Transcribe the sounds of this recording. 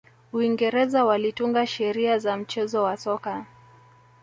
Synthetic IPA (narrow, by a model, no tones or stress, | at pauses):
uiŋɡɛɾɛzawalituŋɡaʃɛɾiazam̩t͡ʃɛzɔwasɔka